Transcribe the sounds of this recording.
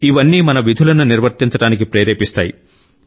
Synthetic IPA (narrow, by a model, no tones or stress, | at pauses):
iʋɐnːiːmɐnɐʋid̪ʱulɐnuniɾʋɐɾt̪int͡ʃɐɽaːnikipɾeːɾeːpist̪aːji